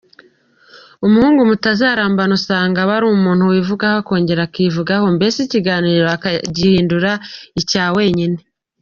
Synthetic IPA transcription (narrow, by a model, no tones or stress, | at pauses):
umuhuːŋɡumutazaːɾaːmbanusaːŋɡaβaɾuːmuːn̥huwivuɡaho̞ko̞ːɲɟe̞ɾakwivuɡaho̞mbe̞ziciɡaːniːɾo̞aɟihiːnduɾaicaːwe̞ːɲine̞